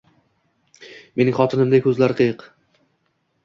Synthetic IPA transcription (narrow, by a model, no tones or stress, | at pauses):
me̞nɪŋχɒt̪ʰɪnɪmd̪akʲʰɵzlaɾɪqʰɨjɨq